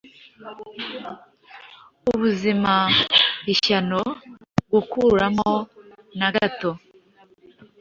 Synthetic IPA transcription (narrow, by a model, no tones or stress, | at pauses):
uβuzimaβiʃano̞ɡukuːɾamo̞naɡato